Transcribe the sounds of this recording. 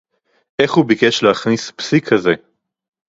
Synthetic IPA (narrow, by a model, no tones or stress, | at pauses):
ʔeχhubikeʃleaχnispsikʰaze